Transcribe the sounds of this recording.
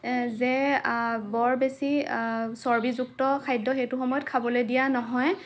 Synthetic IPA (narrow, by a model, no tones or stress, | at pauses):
zɛ | bɔɹbesisɔɹbizuktɔkʰajdɔxejtʊxɔmɔjɔt̚kʰabɔlojdijanɔɦɔj